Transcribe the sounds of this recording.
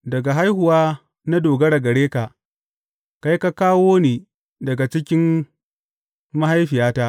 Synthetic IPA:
dɐ˨ɡa˨ɦa˦jɦʊ˨waː˦ | na˦doː˨ɡɐ˦ɽɐ˨ɡɐ˨ɽeː˦ka˨ʔ | ka˦jka˦kaː˦woː˦neː˨ | dɐ˨ɡa˨t͡ʃɪ˦kʲɪ˦m | ma˦ha˦jɸɪ˨jaː˦ta˦ʔ

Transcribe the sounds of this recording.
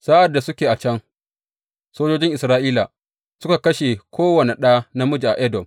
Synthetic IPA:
saː˦ʔa˨dːa˨sʊ˦kʲeː˨ʔa˨t͡ʃɐ˦ŋ | soː˦d͡ʒoː˦d͡ʒɪ˦ŋʔɪ˨sɾaː˦ʔiː˦la̰˨ | sʊ˦ka˨kɐ˦ʃe˨kʷʰoː˦wɐ˨ne˨ɗaː˦na˦mʊ˦d͡ʒi˨ʔa˨ʔɛ˦dɔ˨m

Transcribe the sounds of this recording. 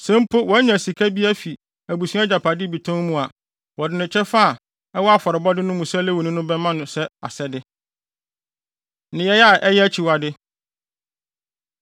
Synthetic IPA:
sɛ̃˦m˦pʰo˦wɔ˨˦ɲã˨si˨kʰa˦bi˦æ˦fi˨ | æ˨bu˨sũ˦a˦d͡ʑa˨pʰa˨dɪ˦bi˨tʰã˦mũ˦a˨ | wɔ˨dɪ˨nɪ̃˨t͡ɕʰɛ˦fa˦a˨ | ɛ˦wɔ˦a˦fɔ˨ɾɪ˨bɔ˦dɪ˦nʊ̃˦mũ˨sɛ˦le˦wo˨nĩ˦nʊ̃˦bɛ˦mã˦nʊ̃˨sɛ˦a̰˨sɛ˦dɪ˦ | nɪ̃˨jɛ˦ja˦˨ʔɛ˦jɛ˦æ˦t͡ɕʰi˨wa˨dɪ˦

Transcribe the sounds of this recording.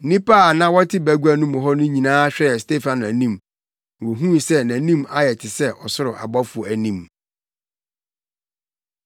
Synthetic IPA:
nĩ˦pa˦˨nã˦wɔ˦tʰɪ˦bæ˨ɡu˦æ˦nũ˦mʊ̃˨ɦɔ˦nʊ̃˦ɲĩ˨nãː˦ɕᶣɛ˦ɛ˨ste˦fã˨n˨æ˨nĩ˦˨m˨ | wo˨ɦũ˦˨sɛ˦næ̃˨nĩ˦ma˦jɛ˨tʰɪ˨sɛ˦ʔɔ˨sʊ˦ɾʊ˨ʔa̰˨bɔ˦fu˨æ˨nĩ˦˨m

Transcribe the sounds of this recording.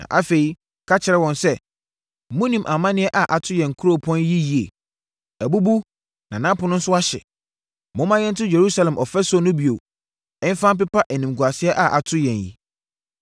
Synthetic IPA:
nã̰˨ʔa˦fe˨i˦ | kʰa˦t͡ɕʰɪ˨ɾɛ˦wɔ̃˨nsɛ˦˨ | mʊ̃˦nĩ˨mʔa˨mã˦nɪ̃˦ɛ˦ʔa˨ʔa˨tʰʊ˦jɛ̃˨ŋ̩˨kʰu˦ɾo˦˨pʰɔ̃˦nji˦ji˨ḛ˨ | æ˨bu˦bu˦ | nã˨nã˦pʊ˨˦nʊ̃˦n̩˦sʊ˦a˦ɕɛ̰˨ | mʊ̃˦mã˦jɛ̃˦n̩˦tʰʊ˦je˨ɾu˦sa˨lɛ˨mʔɔ˨fɛ˦sʊ˦ɔ˦nʊ̃˦bi˨o˨ | ɛ̃˦n˦fã˦mp̬ɪ˦pa˦ʔæ˨nĩ˨m˨ɡu˨a˨sɪ˦ɛ˦ʔa˨ʔa˨tʰʊ˦jɛ̃˨njḭ˦

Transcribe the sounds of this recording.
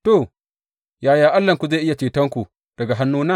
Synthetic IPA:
to˨ | jaː˨jaː˨ʔa˦lːɐ˨ŋkʷu˨za˦˨ʔɪ˦ja˨t͡ʃeː˨tɐ˦ŋkʷu˨ | d̥ɐ˨ɡa˨ɦa˦nːuː˦na˦

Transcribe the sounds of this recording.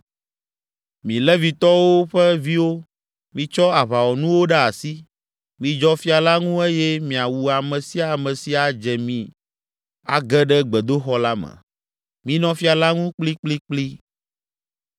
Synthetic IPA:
mĩ˨lɛ˦vi˨t̪ɔ˦wo˦ɸɛ˦vi˦wo˦ | mĩ˨t͡ʃɔ˦a˨βa˨wɔ˨nũ˦wo˦ɖa˦a˨si˦ | mĩ˨d͡ʒɔ˦fi˦a˨la˦ŋũ˦e˦jɛ˦mĩ˨a˨wu˨a˨mɛ̃˨si˦a˨mɛ̃˨si˦a˨d͡ʒɛ˨mĩ˨ | a̰˨ɡɛ˦ɖɛ˦ɡ͡bɛ˨d̪o˦xɔ˦la˦mɛ̰̃˨ | mĩ˦nɔ̃˦fi˦a˨la˦ŋũ˦k͡pli˦k͡pli˦k͡pli˦

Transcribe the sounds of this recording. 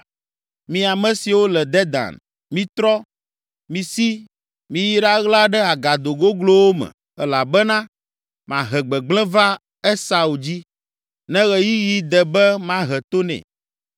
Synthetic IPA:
mĩ˨a˨mɛ̃˦si˨wo˦lɛ˨d̪ɛ˦d̪a̰˨n | mĩ˨˦t̪ɾɔ˦ | mĩ˨si˦ | mĩ˨ji˦ɖa˦ɣla˦ɖɛ˦a˨ɡa˨d̪o˨ɡo˦ɡlo˦wo˦mɛ̰̃˨ | ɛ˦la˨bɛ˦nã˦ | mã˨ɦɛ˨ɡ͡bɛ˨ɡ͡blɛ̃˦va˦ | e˦sa˨u˨d͡ʑi˦ | nɛ̃˦ɣɛ˨ji˦ji˦d̪ɛ˨bɛ˦mã˦ɦɛ˨t̪o˦nɛ̰̃˨

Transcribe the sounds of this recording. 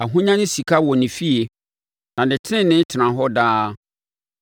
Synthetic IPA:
a˨ɦũ˦ɲã˦nɪ̃˦si˨kʰa˦wɔ˨nɪ̃˨fi˦e˨ | nã˨nɪ̃˨tʰɪ˦ɪ̃˦nɪ̃˦tʰɪ˨nã˨ɦɔ˦daː˦

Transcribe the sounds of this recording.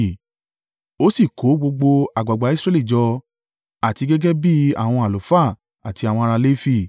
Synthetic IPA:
o˦si˦˨ko˨˦ɡ͡bo˧ɡ͡bo˧a˨ɡ͡ba˨ɡ͡ba˨˦i˦sɾɛ˦li˦˨d͡ʒɔ˧ | a˨ti˧ɡɛ˦ɡɛ˦bi˦a̰˦˨w̃ɔ̃˧a˨lo˨˦fa˦˨ | a˨ti˧a˨wɔ̃˧a˧ɾa˧le˦fi˦˨

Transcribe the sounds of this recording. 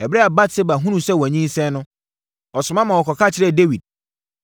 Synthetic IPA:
ɛ˨bɾɛ˦a˨ba˦tse˦ba˨ɦũ˦ñũ˨sɛ˦wæ˨ɲĩ˦n˦sɛ̃˦nʊ̃˦ | ɔ˨sʊ̃˨mã˦mã˨wɔ˨kʰɔ˨kʰa˦t͡ɕʰɪ˦ɾɛ˦˨de˦wi˨d̚

